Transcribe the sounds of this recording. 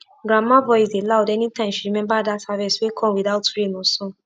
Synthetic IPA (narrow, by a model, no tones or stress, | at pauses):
ɡɾamãvɔiseladɛnĩtãĩʃiɾimɛ̃badasavɛswekʰɔ̃widautuɾenũsɔ̃